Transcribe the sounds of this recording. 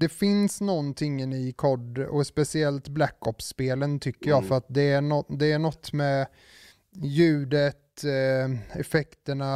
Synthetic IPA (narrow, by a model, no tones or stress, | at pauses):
d̪̥ɛfɪnsnɔnt̪ʰɪŋːənɪkʰɔɖɔspɛsɪɛlt̪blækːɔpːspeːlənt̪ʰʏkːəɾjɑːfœɾat̪̚d̪ɛæɳɔd̪ɛæɳɔt̪ːmɛ | jʉ̟ːd̪ət̪ | ɛfɛkt̪əɳa